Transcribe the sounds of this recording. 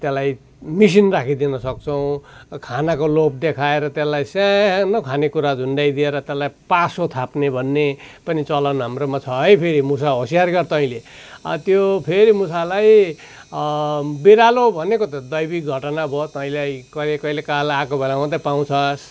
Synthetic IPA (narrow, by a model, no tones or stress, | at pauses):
t̪jelaj | mis̬inrakʰid̪inʌsʌk̚t͡sʰʌw̃kʰanakolop̚d̪ekʰaeɾʌt̪jelajsanʌkʰanekuɾad͡zʱunɖajd̪ieɾʌt̪jelajpasot̪ʰapnebʱʌnːepʌnit͡sʌlʌnɦamromat͡sʰʌʌjpʰeɾimusaɦosijarɡʌrt̪ʌ̃ĩlet̪jopʰeɾimusalaj | biɾalobʱʌnekot̪ʌd̪ʌjbik̚ɡʱʌʈnabʱot̪ʌĩlajkʌlekʌilekalakobʱelamãt̪ʌpaw̃t͡sʰʌs